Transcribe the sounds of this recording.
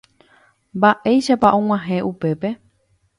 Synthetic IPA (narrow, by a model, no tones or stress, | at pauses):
mbaʔe̞jʃapaʔõŋ̃ʷãɦẽʔupe̞pe̞